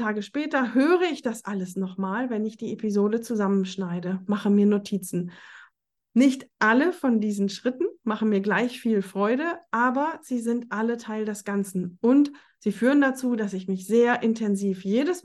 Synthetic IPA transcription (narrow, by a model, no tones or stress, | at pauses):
taːɡəʃpɛːtɐhøːʁəɪçd̥asʔaləsnɔχmaːlvɛnɪçd̥iːepizoːdət͡suzamənʃnaɪdəmaχəmiːɐnotʰiːt͡sn̩ | nɪçtʔaləfɔndiːzn̩ʃʁ̥ɪtn̩maχn̩miːɐɡlaɪçfiːlfʁ̥ɔʏɾəʔaːbɐz̥iːzɪntʔalətʰaɪldɛsɡ̥ant͡sn̩ʔʊnt | z̥iːfyːʁəndat͡suːdasɪçmɪçz̥eːɐʔɪntʰɛnziːfjeːdəs